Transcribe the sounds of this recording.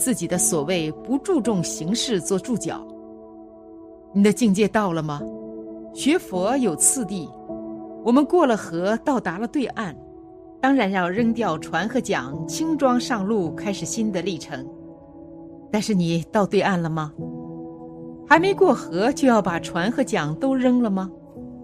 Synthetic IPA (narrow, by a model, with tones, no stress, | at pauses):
t͡sɹ̩˥˩t͡ɕi˨˩d̪ə˦swɔ˨˩we˥˩ɪpu˧˥ʈ͡ʂu˥˧ʈ͡ʂʊ˥˩ŋɕi˧˥ŋʂɻ̩˥˧t͡swɔ˥˧ʈ͡ʂu˥˩t͡ɕjɑ̰˨˩˦ʊ | ni˨˩d̪ə˦t͡ɕi˥˧ŋt͡ɕjɛ˥˧t̪ɑ˥˩ʊlə˩mɐ˩ | ɕɥɛ˧˥fwɔ˧˥jo˨˩ʊt͡sʰɹ̩˥˧t̪i˥˩ | wɔ˨˩mə˦nkwɔ˥˩lə˩xɤ˧˥t̪ɑ˥˩ʊt̪a˧˥lə˧t̪we˥˧ɪʔa˥˩n | t̪ɑ˥ŋɻa˧˥njɑ˥˧ʊɻə˥ŋt̪jɑ˥˩ʊʈ͡ʂʰwa˧˥nxɤ˧˥t͡ɕjɑ̰˨˩˦ŋt͡ɕʰi˥ŋʈ͡ʂwɑ˥ŋʂɑ˥˧ŋlu˥˩kʰa˥ɪʂɻ̩˨˩ɕi˥nd̪ə˨li˥˩ʈ͡ʂʰɤ˧˥ŋ | t̪a˥˧nʂɻ̩˥˩ni˨˩t̪ɑ˥˧ʊt̪we˥˧ɪa˥˩nlə˩mɐ˩ | xa˧˥ɪme˧˥ɪkwɔ˥˩xɤ˧˥t͡ɕjo˥˧ʊjɑ˥˩ʊpa˨˩ʈ͡ʂʰwa˧˥nxɤ˧˥t͡ɕjɑ˨˩ŋt̪o˥ʊɻə˥ŋlə˨mɐ˩